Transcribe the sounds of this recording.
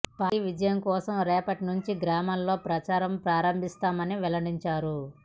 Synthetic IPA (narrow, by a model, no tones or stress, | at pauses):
pɐʋid͡ʒɐjɐmkɔːsɐmɾɛːpɐʈinuɲt͡ʃiɡɾaːmallo̞ːpɾɐt͡ʃaːɾɐmpɾaːɾɐmbʱist̪aːmɐniʋɛlɐɽiɲt͡ʃaːɾu